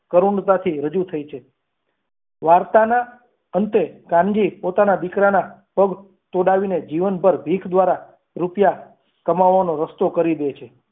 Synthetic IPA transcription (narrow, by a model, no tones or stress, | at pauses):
kəɾuɳɖt̪at̪ʰiɾəd͡ʒut̪ʰəit͡ʃʰe | ʋaɾt̪ana | ənt̪ekãŋɡipot̪anad̪ikɾanapəɡ | t̪oɽaʋined͡ʒiʋənbəɾbʱikʰd̪ʋaɾa | ɾupja | kəmaʋːanoɾəst̪okəɾid̪et͡ʃʰe